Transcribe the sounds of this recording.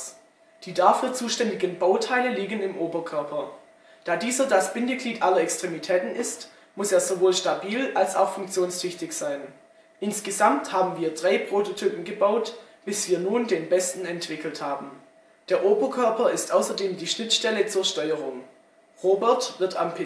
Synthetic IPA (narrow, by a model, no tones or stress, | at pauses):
d̥iːdafyːɐt͡suːʃtɛndɪɡənbaʊtʰaɪləliːɡənɪmʔoːbɐkʰœɐpʰɐ | d̥aːdiːzɐdasb̥ɪndəɡliːtʔalɐɛkstʁ̥emitʰɛːtn̩ɪst | mʊseːɐzovoːlʃtabiːlalsa̰ʊxfʊŋk̚t͡sjoːnstʰʏçtɪçz̥aɪn | ʔɪnsɡ̥əzamthaːbm̩viːɐdʁaɪpʁ̥ototʰyːpn̩ɡəbaʊt | b̥ɪsv̥iːɐnuːndeːnbɛstn̩ɛntv̥ɪkl̩thaːbm̩ | d̥eːɐʔoːbɐkʰœɐpɐɪstʔaʊsɐdeːmdiːʃnɪtʃtɛlət͡suːɐʃtɔʏəʁʊŋ | ʁoːbɛɐtv̥ɪɐtampʰ